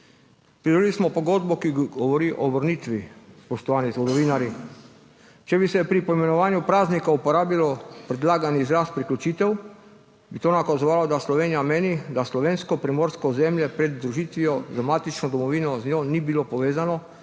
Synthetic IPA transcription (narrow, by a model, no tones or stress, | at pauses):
pɾid̪ɔlilismɔpɔɡoːd̪bɔkiɡɔʋɔɾiːʔɔbəɾniːt̪ʋispɔʃt̪ɔʋaːnizʋɔd̪ɔʋiːnaɾji | t͡ʃɛbisɛpɾipɔimɛnɔʋaːnjupɾaːznikaupɔɾaːbilɔpɾɛd̪laːɡanizɾaːst̪̚pɾiklʲut͡ʃiːt̪ɛw | bit̪oːnakazɔʋaːlɔd̪aslɔʋeːnijameːnid̪aslɔʋeːnskɔpɾimoːɾskɔzɛmljɛpɾɛd̪ːɾuʒiːt̪ʋijɔzamaːt̪it͡ʃnɔd̪ɔmɔʋiːnɔznjoːnibilopɔʋeːzanɔ